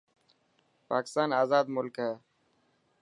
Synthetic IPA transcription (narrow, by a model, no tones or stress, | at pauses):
pa̰ːkɪ̥st̪aːnaːzaːd̪mʊlkɦɛː